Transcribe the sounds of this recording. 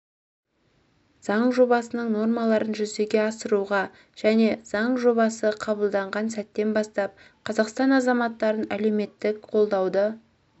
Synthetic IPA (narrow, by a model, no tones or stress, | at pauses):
z̥ɑɴʒo̞bɑsənəɴno̞rmɑlˠɑɾənʒʏzeɡʲe̞ɑsəɾuʁɑ | ʒ̥æne̞z̥ɑɴʒo̞bɑsəqʰɑbəlˠd̪ɑɴʁɑnsæt̪ːe̞nbɑst̪ɑp̚ | qʰɑzɑqst̪ɑnɑzɑmɑt̪ːɑɾənæle̞wme̞t̪ːɪkqʰo̞lˠd̪ɑwd̪ə